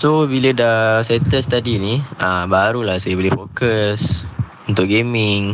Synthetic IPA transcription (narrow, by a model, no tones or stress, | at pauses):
sobilədasɛt̪əst̪adiniəbaɾulahsajəbolɛhfokəs | unt̪ʊʔ̚ɡemɪŋ